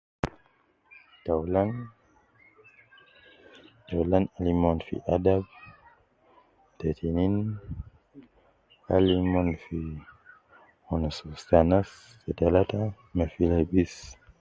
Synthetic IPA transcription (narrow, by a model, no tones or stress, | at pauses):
tawlan | tawlanalimɔnfḭʔadab | tɛtʰinin | alimɔnfi | ɔnasustanas | tɛtalata | mɛfilabis